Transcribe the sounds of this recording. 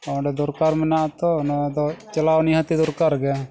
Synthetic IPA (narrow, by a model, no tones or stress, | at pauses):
ɔɖɛd̪ɔɾkaɾmɛnat̪ɔnd̪ɔt͡ʃɐlawniɦat̪id̪ɔɾkaɾɡɛ